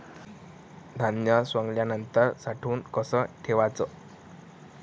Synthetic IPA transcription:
d̪ʱanjəsʋəŋɡljanənt̪əɾsaʈʰuːnkəsəʈʰeʋat͡sə

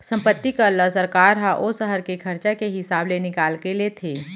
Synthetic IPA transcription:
sɐ̃mpət̪ːikalasəɾkaːɾɦaʔosəɦəɾkekʰɐɾt͡ʃakeɦɪsaːblenɪkaːlkelet̪ʰeː

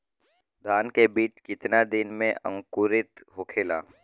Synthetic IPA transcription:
d̪ʱaːnkebiːt͡ʃkɪt̪nad̪ɪnmẽʔə̰̃ŋkʊɾɪt̪ɦokʰeːla̰ː

